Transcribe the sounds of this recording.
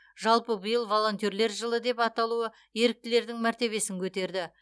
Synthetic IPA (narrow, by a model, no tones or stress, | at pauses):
ʒɑlˠpəbəjəlˠvo̞lˠo̞nt̪oɾle̞ɾʒəlˠəd̪e̞pɑt̪ɑlˠuə | je̞ɾɪk̚t̪ɪle̞ɾd̪ɪŋmæɾt̪e̞βe̞sɪŋkʲʰɵt̪e̞ɾd̪ɪ